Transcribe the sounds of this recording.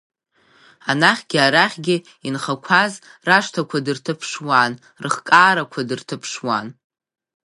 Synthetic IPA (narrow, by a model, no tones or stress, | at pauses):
anaχʲɡʲaɾaχʲɡʲɪ | inχakʷʰazraʂtʰakʷʰadɨrtʰɨpʰʂwan | rɨχkʼaːɾakʷʰadɨrtʰɨpʰʂwan